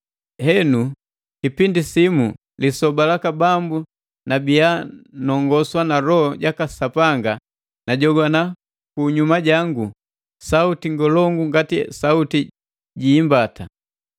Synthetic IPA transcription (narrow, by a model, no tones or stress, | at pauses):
hɛnu | kipindisimu | lisɔbalakabambu | nabianɔŋɡɔswanaɾɔhɔɟakasapaŋɡa | naɟɔɡwana | kuɲumaɟaŋɡu | sautiŋɡɔlɔŋɡuŋɡatisauti | ɟiːmbata